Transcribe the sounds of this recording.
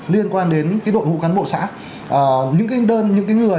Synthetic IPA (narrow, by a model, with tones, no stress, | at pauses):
li˧ənkwaː˧nɗe˨˦nkaː˨˦jɗo̰˧˨jŋṵ˧˥kaː˨˦nɓo̰˧˨sa̰ː˧˥ | ʔəː˨˩ɲɨ̰˧˥ŋka˨˦ɗəː˧nɲɨ̰˧˥ŋkaː˨˦jŋɨ˨˩ə